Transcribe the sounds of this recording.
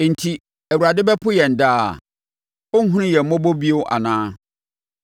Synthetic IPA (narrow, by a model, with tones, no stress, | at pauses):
n̩˨tʰi˨ | æ˨wu˨ɾa˨dɪ˦bɛ˦pʰʊ˦jɛ˨n̩˨da̰ː˦˨ | ʊ˦ŋ̩˦ɦũ˦nʊ̃˦jɛ˨m̩˦mɔ̃˦bo˦bi˦o˦wʔa̰˨nãː˦